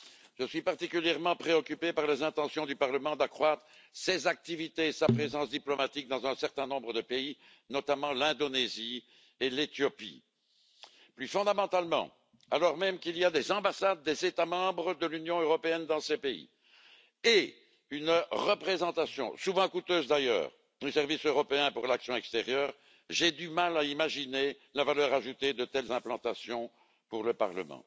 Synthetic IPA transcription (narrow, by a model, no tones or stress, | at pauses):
ʒ̥əsɥipaʁt̪ikʲyljɛʁmɑ̃pχeɔkʲypepaʁlezɛ̃t̪ɑ̃sjɔ̃d̪ypaʁləmɑ̃d̪akχwat̪χə | sezak̚t̪ivit̪eːsapχezɑ̃sd̪iplɔmat̪ik̚d̪ɑ̃zɛ̃sɛʁt̪ɛ̃nɔ̃bʁəd̪əpei | nɔt̪amɑ̃lɛ̃d̪onezi | elet̪jɔpḭ | plyfɔ̃d̪amɑ̃t̪almɑ̰̃ | a̰lɔʁmɛmkiliad̪ezɑ̃basad̪̚ːezet̪amɑ̃bʁəd̪əlynjɔ̃øʁɔpeɛnd̪ɑ̃sepeḭ | e | ynʁəpχezɑ̃t̪asjɔ̰̃suvɑ̃kut̪øːzd̪ajœ̰ːʁ | usɛʁvisøʁɔpeɛ̃puʁlaksjɔ̃ɛkst̪eʁjœːʁ | ʒed̪ymalaimaʒine | lavalœʁaʒut̪ed̪ət̪ɛlzɛ̃plɑ̃t̪asjɔ̃ | puʁləpa̰ʁlə̰mɑ̰̃